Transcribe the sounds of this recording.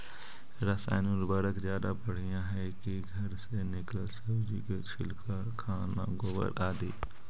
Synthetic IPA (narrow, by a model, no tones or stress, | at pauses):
ɾəsa̰ːɪnuɾbəɾəkzjaːd̪apəɽ̤ijãɦɛ | kiɡʱəɾsenɪkləlsəbd͡ʒiket͡ʃʰɪ̰lkʰa | kʰaːnã̰ɡobə̰ɾaːd̪iː